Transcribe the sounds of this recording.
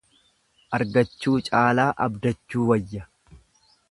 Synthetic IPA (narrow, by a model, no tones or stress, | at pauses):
ʔɐɾɡɐt͡ʃːuːt͡ʃʼaːlaːʔɐbd̪ɐt͡ʃːuːwɐjːɐ